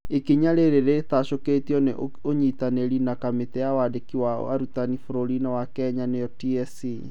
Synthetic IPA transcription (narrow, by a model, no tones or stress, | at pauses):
ekiɲaɾeɾeɾetaʃoketiɔneʔ | oɲitaneɾinakametɛjawadekiwaa̰ɾutanifoɾoɾinawakɛɲanejɔtiɛsi